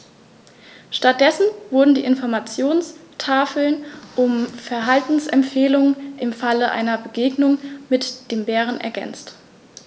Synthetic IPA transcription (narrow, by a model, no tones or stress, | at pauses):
ʃtat̚d̥ɛsn̩vʊɐdn̩dḭːʔɪnfɔɐmat͡sjoːnstʰaːfl̩nʔʊmfɛɐɦaltn̩sʔɛmpfeːlʊŋənʔɪmfaləʔa̰ɪnɐbəɡeːɡnʊŋmɪtd̥eːmbeːʁ̞ənʔɛ̰ɐɡɛ̰nt͡st